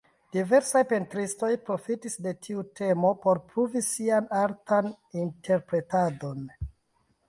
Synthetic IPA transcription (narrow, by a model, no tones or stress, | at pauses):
d̥ive̞ɾsajpe̞ntɾisto̞jpɾo̞fitisde̞tʰiutʰe̞mo̞po̞ɾpɾuvisianaɾtan | intʰe̞ɾpɾe̞tado̞n